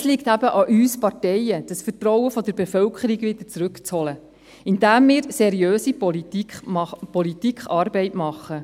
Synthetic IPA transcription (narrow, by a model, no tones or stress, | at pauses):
slɪktæbəʔɑʔyːspɑrtɛjəd̥əsfərtɾɔwəfɔd̪əɾbefœlkʰχəɾiɡʋɪd̪̥ə̥t͡sɾɵkt͡shɔlə | ɪndæːmːɪːɾsɛɾiøːsi | pɔlit̪ikχɑːɾbɛɪtmɑχːə